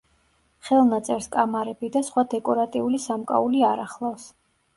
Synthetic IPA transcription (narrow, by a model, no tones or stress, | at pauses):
χɛlˠnat̪sʼɛɾskʼamaɾɛbid̪asχwad̪ɛkʼɔɾat̪ʼiulisamkʼa̰uliaɾaχlˠafs